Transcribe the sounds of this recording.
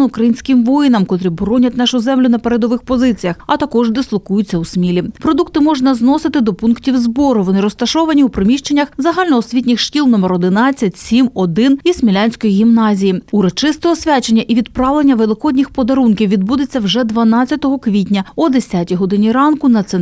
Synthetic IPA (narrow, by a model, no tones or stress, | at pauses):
ukɾɐjinʲsʲkɪmʋɔjɪnɐmkɔt̪ɾɪbɔɾɔnʲɐt̪ʲnɑʃʊzɛmlʲʊnɐpeɾed̪ɔʋɪxpɔzɪt͡sʲijɐxɐt̪ɐkɔʒd̪ɪslˠɔkujʊt͡sʲːɐusmʲilʲipɾɔd̪ukt̪ɪmɔʒnɐznɔsɪt̪ɪd̪ɔpunktʲiwzbɔɾʊʋɔnɪɾɔst̪ɐʃɔʋɐnʲiwpɾɔmʲiʃt͡ʃe̞nʲːɐxzɐɦɑlʲnɔɔsʲʋʲit̪ʲnʲɪxʃtʲilˠnɔmeɾɔd̪ɪnɑt͡sʲːɐtʲsʲimɔd̪ɪnizmʲilʲanʲsʲkɔjiɦʲimnɑzʲijiʊɾɔt͡ʃɪst̪ɔɦɔsʲʋʲat͡ʃenʲːɐʔiʋʲid̪pɾɑʋlˠenʲːɐʋelˠɪkɔdʲnʲixpɔd̪ɐɾunkʲiwʋʲid̪̚bud̪et͡sʲːɐwʐɛd̪ʋɐnɑt͡sʲːɐt̪ɔɦɔkʋʲit̪ʲnʲɐɔd̪esʲatʲiɦɔd̪ɪnʲiɾɑnkʊnɐt̪sɛ